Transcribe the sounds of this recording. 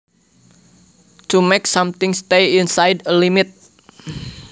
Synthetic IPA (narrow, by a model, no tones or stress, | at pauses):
tumeksʌ̃mt̪ɪ̃ŋst̪eĩnsajdəlimɪt̪̚